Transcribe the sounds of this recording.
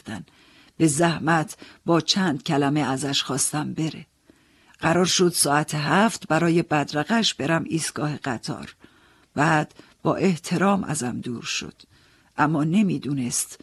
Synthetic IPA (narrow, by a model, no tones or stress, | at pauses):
d̪æn | b̥e̞zæhmæt̪ʰbɒːt͡ʃʰænd̪̥cʰælæme̞æzæʃxɒːst̪æmbe̞ɾḛ | ɢ̥æɾɒːɾʃo̞d̪̥sɒːæt̪ʰeɦæft̪bæɾɒːje̞bæd̪ɾæɣæʃb̥e̞ɾæmiːst̪ɡ̥ɒːheɢæt̪ʰɒ̰ːɾ | b̥æːd̪̥ | b̥ɒ̰ːʔe̞ht̪ʰe̞ɾɒːmʔæ̰zæmd̪uːɾʃo̞̰d̪̥ | ʔæmːɒːne̞miːd̪uːne̞st̪